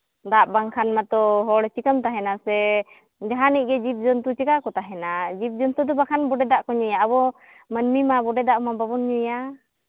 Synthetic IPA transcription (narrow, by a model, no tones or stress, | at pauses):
d̪aʔbaŋkʰanmat̪ɔɦɔɽɛt͡ʃikəmt̪aɦɛnasɛ | d͡ʒaɦanic̚ˀɡɛd͡ʒip̚d͡ʒɔnt̪ut͡ʃɛkakɔt̪aɦɛnad͡ʒip̚d͡ʒɔnt̪ud̪ɔbakʰanbɔɖɛd̪aʔkɔɲujaːbɔ | mənmimabɔɖɛd̪aʔmabaβɔnɲuja